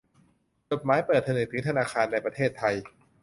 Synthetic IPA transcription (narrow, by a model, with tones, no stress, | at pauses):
t͡ɕo˨˩t̪̚maː˦˥jpəɤː˨˩t̪ʰːa˧nɯː˨˩t̪ʰɯ˩˦ŋt̪ʰnaː˧xʰaː˧nːa˧jpɾa˧t̪ʰeː˥˩t̪ʰːa˧j